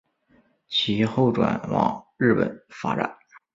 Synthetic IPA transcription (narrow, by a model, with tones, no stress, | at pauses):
t͡ɕʰi˧˥xo˥˩ʊʈ͡ʂwa˨˩nwɑ̰˨˩ŋɻɻ̩˥˩pə̰˨˩˦nfa̰˥ʈ͡ʂa˨˩˦n